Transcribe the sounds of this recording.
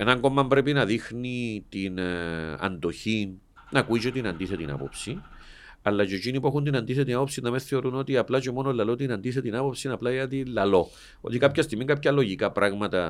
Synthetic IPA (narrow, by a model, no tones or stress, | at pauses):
enɐŋɡo̞mːɐmbɾe̞p̬inɐðixnit̪inɐ̰nd̪o̞çin | nɐkuit͡ʃet̪inɐnd̪iθet̪ina̰po̞̰psi | ɐlːɐt͡ʃecinipue̞xund̪inɐnd̪iθet̪inapopsinːɐmenθe̞o̞ɾuno̞t̪iaplɐt͡ʃemo̞nolːɐlot̪inɐnd̪iθet̪inapo̞psinɐplajɐt̪ilːɐlo̞ | o̞̰t̪ikapçɐst̪imiŋɡapçɐlo̞ʝikapɾaɣmɐt̪ɐ